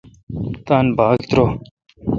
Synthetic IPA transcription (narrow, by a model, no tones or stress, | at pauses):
t̪aːnbaːkt̪ɾo